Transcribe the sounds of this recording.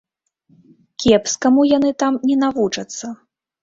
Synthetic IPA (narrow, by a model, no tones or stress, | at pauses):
kʲɛpskamujanɨt̪amnʲɛnavut͡ʂɐt̪sːɐ